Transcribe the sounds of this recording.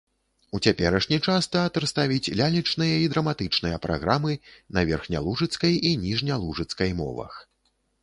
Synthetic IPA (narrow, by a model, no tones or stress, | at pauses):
ut͡sʲapʲɛɾɐʂnʲit͡ʂast̪ɐːt̪ɨrst̪avʲit͡sʲlʲalʲit͡ʂnɨjɐid̪ɾɐmat̪ɨt͡ʂnɨjɐpɾʔa̰ɣɾamɨnɐvʲɛrxnʲa̰lˠuʐɨt̪skɐjinʲiʐnʲɐlˠuʐɨt̪skɐjmɔ̰vɐ̰x